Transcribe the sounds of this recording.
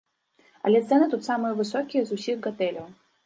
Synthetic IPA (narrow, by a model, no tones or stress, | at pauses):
ɐ̰lʲɛt̪sɛnɨt̪ut̪samɨjɛvɨsɔkʲijɛzusʲiɣɡat̪ɛlʲɐw